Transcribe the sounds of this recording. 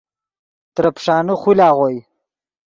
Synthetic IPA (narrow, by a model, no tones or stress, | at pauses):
t̪ɾɐpʂɑːnuχulaːʁoj